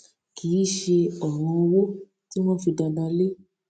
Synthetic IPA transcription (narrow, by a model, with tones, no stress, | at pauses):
ki˨˦˨ʃe˧ɔ˨ɾ̃ɔ̃˧o˧wo˦ | ti˦w̃ɔ̃˦fi˧da˧da˧le˦